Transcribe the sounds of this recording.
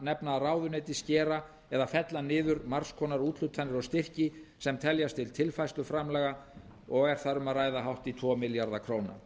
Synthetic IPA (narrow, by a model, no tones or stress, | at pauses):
nɛpnaːraːwðʏnɛjt̪ɪscɛːɾa | ɛðafɛt̪lanɪːðʏɾmaɾ̥skʰɔːnaɾuːt̪l̥ʏt̪ʰanɪɾɔɣst̪ɪr̥cɪsɛmt̪ʰɛljast̪ʰɪlt̪ʰɪlfajst̪ʏfɾamlɛːɣa | ɔɣɛɾ̥θaɾʏmaðraːjðaɦawht̪it̪ʰvɔːmɪljaɾðakʰɾoːwna̰